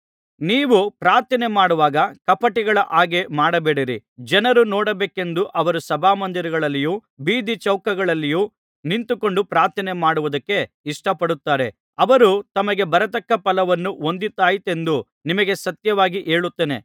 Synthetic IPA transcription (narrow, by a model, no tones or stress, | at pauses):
niːʋupɾaːɾt̪ʰɐnemaːɽuʋaːɡɐkɐpɐʈiɡɐɭɐʔaːɡe̞maːɽɐbeːɽiɾḭd͡ʒɐnɐɾunoːɽɐbeːke̞nd̪uʔɐʋɐɾusɐbʱaːmɐnd̪iɾiɡɐɭɐlːijuː | biːd̪it͡ʃɐwkɐɡɐɭɐlːijuː | nint̪uko̞ɳɖupɾaːɾt̪ʰɐnemaːɽuʋud̪ɐkːe̞ | iʂʈɐpɐɽut̪ːaːɾe̞ | ɐʋɐɾut̪ɐmɐɡe̞bɐɾɐt̪̬ɐkːɐpɐlɐʋɐnːuo̞nd̪it̪ːaːjit̪e̞nd̪u | nimɐɡe̞sɐt̪jɐʋaːɡiʔeːɭut̪ːeːne̞̰